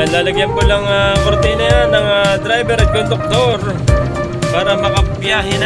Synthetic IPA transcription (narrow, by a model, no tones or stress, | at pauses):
laːlɐɡjɐnkolɐŋakoɾt̪ɪnɐjanːɐŋad̪ɾajbɛɾɐt̪̚kond̪ʊk̚t̪oɾ | paːɾɐmɐkɐbjaːɦɛn